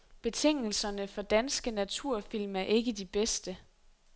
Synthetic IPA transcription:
b̥e̝t͡sʰe̝ŋ̰l̩sɐnəfɒ̽d̥ænsɡ̥ənæt͡sʰuɐ̰fil̰mæɐʔe̝ɡ̥əd̥ib̥esd̥ə

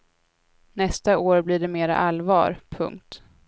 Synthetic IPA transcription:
nɛst̪aoːɾbliːɖɛmeːɾa̰ʔalvɑ̰ːɾpʰɵ̰ŋk̚t̪

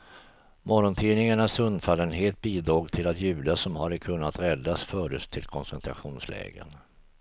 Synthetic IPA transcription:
mɔɾɔnt̪ʰiːnɪŋaɳasɵnd̪falːənɦeːt̪̚biːd̪ɾoːɡt̪ʰɪlat̪jʉ̟ːd̪asɔmhaɾəkʰɵnːat̪ɾɛd̪ːasfœːɖəst̪ʰɪlkʰɔnsɛnt̪ʰɾa̰ɧuːnslɛ̰ːɡə̰n

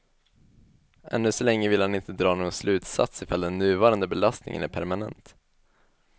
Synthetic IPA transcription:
ʔɛ̰nːɵsɔlɛŋːəvɪlhanɪnt̪əd̪ɾɑːnoːɡɔnslʉ̟ːt̪sa̰t̪sɪfald̪ɛnːʉ̟ːvɑːɾand̪əbɛlast̪nɪ̰ŋə̰næɾpʰæ̰ɾmanɛnt̪

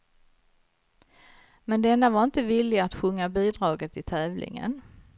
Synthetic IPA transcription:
mɛnd̪ɛnːavaɾɪnt̪əvɪlːɪat̪ɧɵŋːabiːd̪ɾɑːɡət̪ɪt̪ʰɛːvlʔɪ̰ŋə̰n

